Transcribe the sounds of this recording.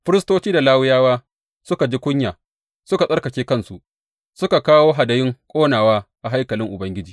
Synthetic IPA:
ɸɪ˦ɾɪ˦stoː˦t͡ʃiː˦da˨laː˦wʊ˦jaː˦waː˦ | sʊ˦ka˨d͡ʒi˦kʷʊ˦ɲjaː˨ | sʊ˦ka˨sʼɐ˦rkɐ˨kʲeː˦kɐ˦nsu˨ʔ | sʊ˦ka˨kaː˦woː˦ɦa˨dɐ˨jɪ˦ŋkʷʼoː˦naː˨waː˦ʔa˨ɦa˦jkɐ˨lɪ˦ŋʔʊ˨bɐ˦ŋɡʲɪ˦d͡ʒiː˨

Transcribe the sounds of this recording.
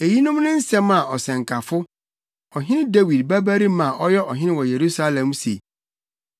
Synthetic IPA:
e˨ji˦nʊ̃˦mnʊ̃˦n̩˦sɛ˦mã˨ʔɔ˨sɛ̃˨ŋkʰa˨fʊ˦ | ɔ˨ɦɪ̃˦nɪ̃˦de˦wi˨dbæ˦bæ˦ɾi˦mã˨ʔɔ˦jɛ˦ʔɔ˨ɦɪ̃˦nɪ̃˦wɔ˨je˨ɾu˦sa˦lɛ̃˨msḛ˨

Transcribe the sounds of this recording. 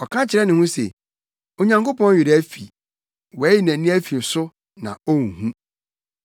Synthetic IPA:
ɔ˨kʰã˦t͡ɕʰɪ˨ɾɛ˦nɪ̃˨hʊ̃˦sḛ˨ | o˨ɲã˨ŋko˦pɔ̃˦n˦ɥɪ˨ɾæ˦fi˨ | wɔ˨˦ji˦næ̃˨nĩ˦æ˦fi˨n̩˨sʊ˦ | nã̰˨o˦ŋũ˨hũ˦

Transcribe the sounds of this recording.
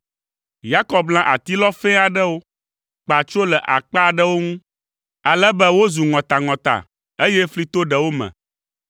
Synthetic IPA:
ja˦kɔ˨b̚blã˦ʔa̰˨t̪i˦lɔ˦fɛ̃˦a˨ɖɛ˦wo˦ | k͡pa˨t͡ʃo˦lɛ˨ʔa̰˨k͡pa˦˨ɖɛ˦wo˦ŋũ˦ | a˨lɛ˦bɛ˦wo˦zu˨ŋɔ̃˨t̪a˨ŋɔ̃˨t̪a̰˨ | e˦jɛ˦fli˦t̪o˦ɖɛ˨wo˦mɛ̰̃˨

